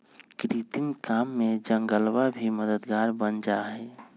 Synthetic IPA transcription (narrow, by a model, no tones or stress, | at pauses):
kɾit̪imkamːed͡ʒəŋɡəlwabʱiməd̪əd̪ɡaːɾbənd͡ʒaɦɛ